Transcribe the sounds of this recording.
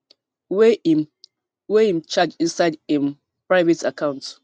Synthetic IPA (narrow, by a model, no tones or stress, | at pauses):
we | weim̩t͡ʃad͡ʒinsaɪdĩm | pɹaɪvetakãʊ̃nt